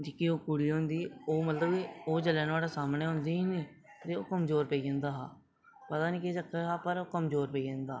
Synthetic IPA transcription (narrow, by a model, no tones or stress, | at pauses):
d͡ʒikioːkʊɽiːɦõːnd̪iːoːmət̪ləbioːd͡ʒəlɛ̃ːnʋaːɽaːsaːmneːɦʊ̃nd̪iːɦiːniː | t̪eːoːkəmzoːɾpeiːd͡ʒə̃ːnd̪aːɦaː | pət̪aːniːket͡ʃəkʰːaɦaːpəɾoːkəmzoːɾpeiːd͡ʒẽːnd̪aː